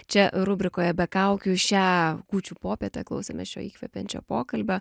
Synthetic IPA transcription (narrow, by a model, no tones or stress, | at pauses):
t͡ʃʲɛɾʊbʲɾʲɪkoːjɛbʲɛkɐʊkʲuːʃʲæːkuːt͡ʃʲuːpoːpʲeːt̪ʲɛklˠɐʊsʲɛːmʲɛsʃʲo̰ːiːkʲʋʲɛpʲɛnʲt͡ʃʲo̰ːpoːkɐlʲbʲo